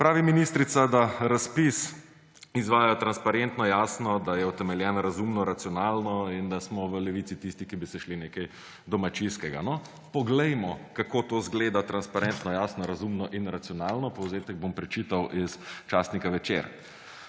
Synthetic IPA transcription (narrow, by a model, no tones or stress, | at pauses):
pɾaːʋiminist̪ɾit̪sad̪aɾaspis | izʋaːjajt̪ɾanspaɾent̪nɔjaːsnɔd̪ajɛut̪ɛmɛljɛnɾazumnɔɾat̪siɔnaːlnɔind̪asmɔʋəlɛʋit̪sit̪ist̪ikibisɛʃlineːkɛj | d̪ɔmat͡ʃinskɛɡa̰nɔ | pɔɡlɛjmɔkakoːt̪oːzɡleːd̪at̪ɾanspaɾent̪nɔjaːsnɔɾazumnɔʔinɾat̪siɔnaːlnɔpɔwzeːt̪ɛɡ̚bompɾɛt͡ʃit̪awʔist͡ʃaːsnikaʋɛt͡ʃḛɾ